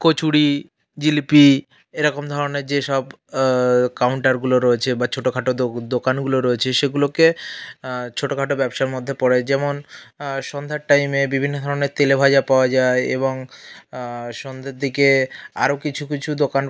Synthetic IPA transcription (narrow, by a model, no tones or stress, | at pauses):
kot͡ɕuɽi | d͡ʑilpi | eɾɔkomd̪ʱɔɾoneɾd͡ʑeʃɔb | kawɳʈaɾɡuloɾoet͡ɕʰebat͡ɕʰoʈokʰaʈod̪okanɡuloɾoet͡ɕʰeʃeɡuloke | t͡ɕʰoʈokʰaʈobɛbʃaɾmod̪ʱːepɔɽed͡ʑɛmonʃɔnd̪ʱaɾʈajmebibʱinːod̪ʱɔɾoneɾt̪elebʱad͡ʑapaoad͡ʑaeeβoŋ | ʃɔnd̪ʱeɾd̪ʱikea̰ɾokit͡ɕʰukit͡ɕʰud̪okan